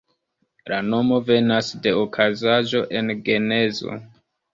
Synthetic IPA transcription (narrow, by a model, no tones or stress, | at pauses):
lano̞mo̞ve̞nasde̞okʰazaʒo̞ʔe̞nɡe̞ne̞zo̞̰